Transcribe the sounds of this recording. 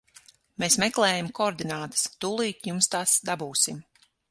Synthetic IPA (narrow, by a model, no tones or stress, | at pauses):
meːsmɛklˠɛːjamkɔɾd̪inaːt̪ɨ̥st̪uːlˠiːt̪jumst̪asd̪abuːsim